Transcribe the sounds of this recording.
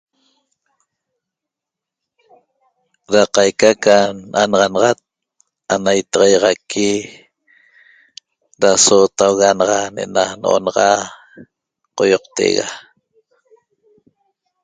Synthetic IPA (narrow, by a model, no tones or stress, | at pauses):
ɾaqɑjkakanʔanɑʁɑnɑʁɑt̪̚ | anajt̪ɑʁɑjɑʁɑkʰi | ɾasoːt̪awɣanɑʁɑnḛnano̰ʔo̰nɑʁɑ | qojoq̚t̪ḛɣa̰